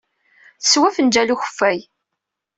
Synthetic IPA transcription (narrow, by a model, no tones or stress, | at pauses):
θəswæfənd͡ʒæluçə̥fːæj